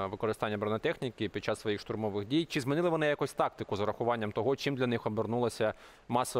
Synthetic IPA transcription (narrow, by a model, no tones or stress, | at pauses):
ʋɪkɔɾɪst̪ɑnʲːɐbɾɐnɐt̪ɛxnʲikɪpʲid̥̪̚t͡ʃɑsʋɔjixʃt̪ʊɾmɔʋɪɣdʲijt͡ʃɪzmɪnɪlˠɪʋɔnɪjakusʲt̪ɑk̚t̪ɪkʊzɐɾɐxʊʋɑnʲːɐmt̪ɔɦɔt͡ʃimd̪lʲɐnɪxɔbernulˠɐsʲɐ | mɑsɔ